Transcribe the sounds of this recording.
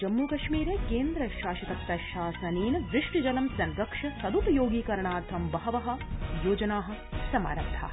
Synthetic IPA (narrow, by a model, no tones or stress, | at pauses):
d͡ʒɐmːuːkɐʃmiːɾeːkeːnd̪ɾɐʃaːʃɐt̪ɐk̚t̪ɐʃaːsɐniːnʋɾɪʂʈid͡ʒɐlɐmsɐnɡɐkʂɐsɐd̪ut̪ɐjoːɡiːkɐɾɐɳaːɾt̪ʰɐmbɐɦɐʋɐɦɐ̆joːd͡ʒɐnaːɦɐ̆sɐma̰ːɾɐbd̪ʰʱa̰ː